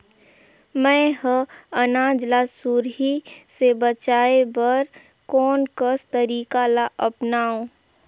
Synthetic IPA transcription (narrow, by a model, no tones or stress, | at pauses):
mɛ̃ɦəɐnaːd͡ʒlaːsuɾɦisebət͡ʃaːebəɾ | kɔːnkəst̪əɾiːkalaʔɐpnaːũː